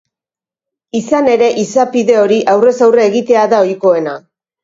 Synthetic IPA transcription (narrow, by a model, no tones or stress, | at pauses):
isane̞ɾe̞ʔisapiðe̞o̞ɾiʔawre̞sawreːɣit̪e̞aðao̞jko̞e̞na